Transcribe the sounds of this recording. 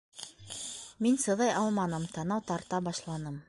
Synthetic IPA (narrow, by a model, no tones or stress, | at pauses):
minsɤ̆ðɑjʔɑlˠmɑnɤmt̪ɑnɑwt̪ɑɾt̪ɑbɑʃlˠɑnɤm